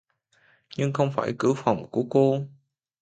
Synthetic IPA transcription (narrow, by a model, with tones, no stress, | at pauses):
ɲɨ˧ŋxə˧wŋ͡mfaː˧˩jkɨ˧˥fa˨˩wŋ͡mku˧˩əko˧